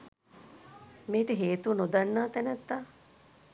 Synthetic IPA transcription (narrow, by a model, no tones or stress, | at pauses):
meːʈəɦeːt̪uʋənod̪anːaːt̪ænæt̪ːaː